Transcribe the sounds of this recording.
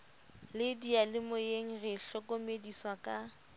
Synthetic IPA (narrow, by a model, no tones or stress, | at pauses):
lɪdialɪmʊeŋ̩rɪɬɔkʼomediswakʼa